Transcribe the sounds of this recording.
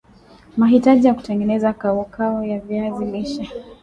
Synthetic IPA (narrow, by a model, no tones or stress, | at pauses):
maɦitaʄijaku̥tɛŋɡɛnɛzakaɔkʰaɔjavjaziliʃa